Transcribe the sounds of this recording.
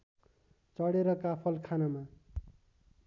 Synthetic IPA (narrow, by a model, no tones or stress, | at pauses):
t͡sʌɽeɾʌkapʰʌlkʰanama